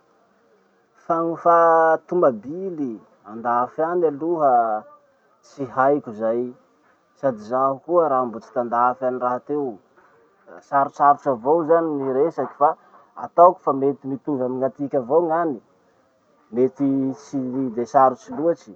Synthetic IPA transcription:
faŋifat̪umbabili | and̪afianaluɦə | t͡siɦajkʲuzaj | sad̪izaɦukuəɾaambut͡si̥t̪and̪afaniraɦat̪ew | saɾut͡ʃaɾut͡ʃavowzaniniɾesakʲi̥fa | a̰t̪awkʲu̥famet̪imit̪uvamiŋat̪ikʲavoŋani | met̪it͡sid̪esaɾut͡siluat͡ʃi̥

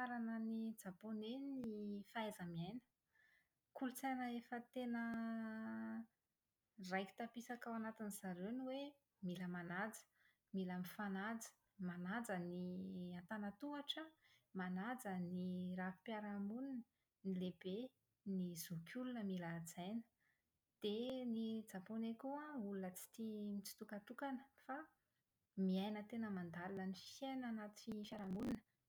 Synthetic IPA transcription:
aɾanənid͡zaponenifaɛzəmiajnə̥ | kulut͡sajnəefət̪enə | rajki̥t̪apisakawanat̪iniz̥aɾeniwe | miləmanad͡zə̥ | milamifanad͡zə̥ | manad͡zəniant̪anət̪uaʈ͡ʂəmanad͡zənirafi̥paɾamunin | nilebe | nizukʰʲulunəmiləd͡zajnə̥ | d̪̥enid͡zaponekuãulunət͡si̥t̪imit͡si̥t̪ukat̪ukanəfa | miajnət̪enəmand̪alinənifenanat̪i̥fifaɾamuninə̥

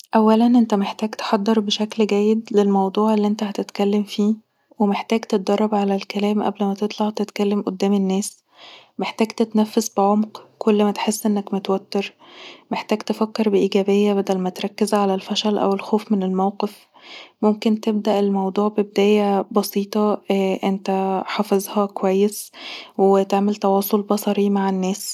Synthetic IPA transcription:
ʔæwːælænʔent̪æmeħt̪æːɡt̪e̥ħɑd̪ˤːeɾˤbeʃæklɡæjːed̪lelmɑwd̪ˤuːʕelːiʔent̪æhæt̪et̪kælːemfiː | wemeħt̪æːɡt̪et̪̚d̪ɑrˤːɑbʕalælkælæːmʔæ̰blmæt̪et̪ˤlɑʕt̪et̪kælːemʔod̪ːæːmenːæːs | meħt̪æːɡt̪et̪næfːesbeʕomqkʰolːmæt̪ħesːʔenːækmet̪wæt̪ːeɾmeħt̪æːɡt̪efækːeɾbeʔiːɡæːbejːæbæd̪ælmæt̪ɾˤɑkːezʕalælfɑʃɑlʔæ̰welxoːfmenelmæwqef | momkent̪eb̚d̪æʔelmɑwd̪ˤuːʕbeb̚d̪æːjæbɑsiːt̪ˤɑʔent̪æħɑfezˤhɑkowæjːeswet̪eʕmelt̪ɑwɑːsˤolbɑsˤɑɾimaʕenːæːs

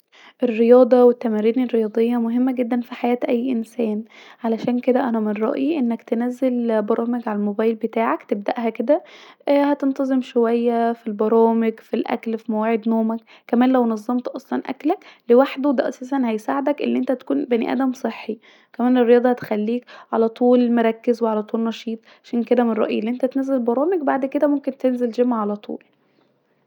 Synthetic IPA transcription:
ʔerːejɑːd̪ˤɑwet̪ːæmæɾiːnirːejɑːd̪ˤejːɑmoɦemːæɡed̪ːænfiħajæːt̪ʔæjːʔensæːnʕalæʃæːnked̪æʔænæmenɾˤɑ̰ʔjiʔenːækt̪enæzːelbɑɾˤɑːmeɡʕalælmobæːjlbet̪aːʕakt̪eb̚d̪æʔhæked̪æʔhæt̪ent̪ɑzˤemʃowæjːæfilbɑɾˤɑːmeɡfilʔæ̰klfimæwaːʕed̪noːmækːæmæːnlæwnɑzˤːɑmt̪ʔɑsˤlɑnʔæ̰klæklewaħd̪od̪æʔɑ̰sˤɑːs̬ænhæjsaːʕed̪ækʔḛlːiʔent̪æt̪æ̥kuːnbænḭʔæ̰d̪æmsˤeħːi | kæmæːnerːejɑːd̪ˤɑhæt̪e̥xælːiːkʕalæt̪ˤuːlelmoɾˤɑkːezweʕalæt̪ˤuːlnɑʃiːt̪ˤʕʕaʃæːnked̪æmenˤɾɑ̰ʔjilːiʔent̪æt̪næzælbɑɾˤɑːmeɡbaʕd̪ked̪æmomkent̪enzeld͡ʒæmæʕalæt̪ʰˤṵːl

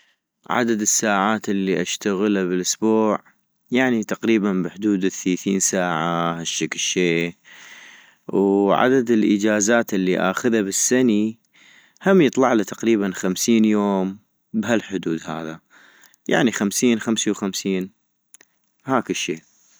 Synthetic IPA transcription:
ʕa̰d̪ad̪ɪsːaːʕaːt̪ɪlːiʔaʃt̪aɣɪlabɪlʔʊsbuːʕ | jaʕnit̪aqɾiːbanbɪħʊd̪uːd̪θlaːθiːnsaːʕahaʃːaklʃːeː | wʕa̰d̪ad̪ɪlʔə̰d͡ʒaːzaːt̪ʔɪlːiʔa̰ːxʊðabɪsːani | hamjɨt̪ˤlɑʕlat̪aqɾiːβanxamsiːnjoːm | bhalħʊd̪uːd̪ha̰ːða | ja̰ʕnixamsiːnxamsiwxamsiːn | haːkɪʃːeː

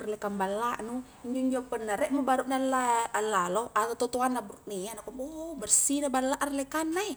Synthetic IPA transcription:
rlɛkambalaʔnu | ɲd͡ʒuɲd͡ʒapənːaɾɛʔmubaɾuʔnalaalalɔatat̪ɔt̪oanlabɾut̪̚nianakɔmbobərsinabalaʔarlɛkanːai

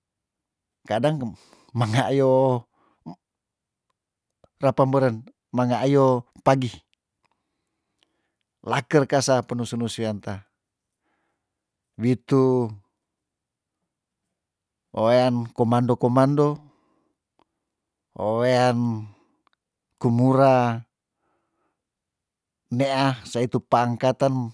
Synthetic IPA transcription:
kadaŋ | maŋajo | rapambəɾən | maŋajopaɡi | lakərkasapənusunusuant̪a | wit̪u | ʔoeankomandokomando | oean | kumuɾa | neʔahsait̪upaːŋkat̪an

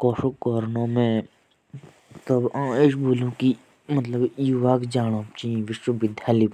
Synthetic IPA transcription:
kɔːʃokɔːɾnõmẽ | t̪ɐbãːeːʃbuːlũki | mət̪ləbjuʋaːkd͡ʒaːɽ̃õpt͡ʃĩʋɪʃwəʋɪd̪ʱjaːli

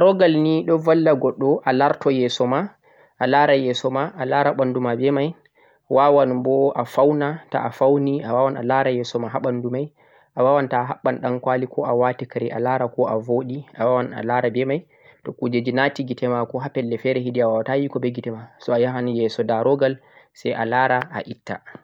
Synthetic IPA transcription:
aɾɔɡalniɗɔvalːaɡɔɗːɔʔalaɾtɔjɛsɔma | ʔalaɾajɛsɔmaʔalaɾaɓandumabɛmaj | wawanbɔʔafawnata̰ʔafawniawawana̰laɾajɛsɔmaɦaɓandumaj | ʔawawantaɦaɓːanɗankwalikɔʔawatikaɾiʔa̰laɾakɔʔavoːɗiʔawawana̰laɾabɛmaj | tɔkud͡ʒed͡ʒinatiɡitɛmakɔɦapɛlːɛfɛɾɛɦiɗiawawatajikɔbɛɡitɛmasɔajaɦanjɛsɔdaɾɔɡalsɛjʔa̰laɾaa̰ʔitːa̰

